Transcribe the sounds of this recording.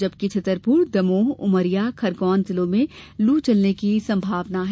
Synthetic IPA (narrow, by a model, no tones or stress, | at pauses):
d͡ʒɐb̚kit͡ʃʰɐt̪əɾpuːɾd̪ɐmoːɦʊməɾijakʰɐɾɡɔːnzɪlõmẽluːt͡ʃɐlnekisɐ̃mbʱaːʋnaɦ